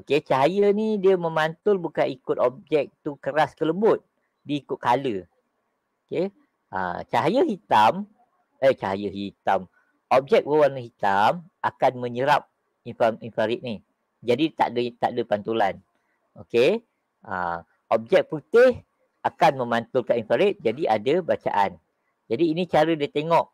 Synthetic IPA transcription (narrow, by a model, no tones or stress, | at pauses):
oket͡ʃaɦajənidiəməmant̪ʊlbukanikʊt̪̚ɔp̚d͡ʒɛk̚t̪ukəɾaskələbʊt̪̚ | diːkʊʔ̪̚kalə | oke | ʔə̰t͡ʃaɦjəɦit̪am | ət͡ʃaɦjəɦit̪am | ɔp̚d͡ʒɛk̚wəwarnəɦit̪amʔakanmə̃ɲəɾap̚ | infaminfaɾɪt̪̚nih | d͡ʒadit̪a̰ʔdət̪a̰ʔdəpant̪ulan | oke | ə̰ | ʔɔp̚d͡ʒɛk̚put̪ɪh | ʔakanmə̃mant̪ʊlkainfaɾɪt̪̚d͡ʒadiʔadəbat͡ʃa̰ʔan | d͡ʒadiːnit͡ʃaɾədiət̪eŋɔʔ